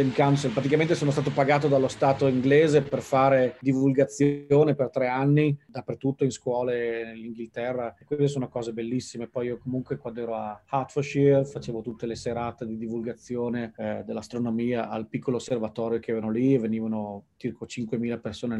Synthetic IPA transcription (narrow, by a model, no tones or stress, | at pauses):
emkawnselpɾat̪ikamẽnt̪esoːnost̪aːt̪opaɡaːt̪od̪alːost̪aːt̪oiŋɡleːzeperfaːɾed̪ivulɡat̪sːjoːnepert̪ɾɛanːid̪apːert̪ut̪ːoinskwɔːlenelːiŋɡilt̪ɛrːakwest̪es̬oːnokɔːzebelːisːimepɔjiːokomuŋkwekwand̪oɛːɾoahat̪foʃirfat͡ʃeːvot̪ut̪ːeleseɾaːt̪ed̪id̪ivulɡat̪sːjoːned̪elːast̪ɾonomiːaʔalpikːoloːsːervat̪ɔːɾjokeɛːvanolieveniːvanot͡ʃirkot͡ʃiŋkwemiːlapersoːne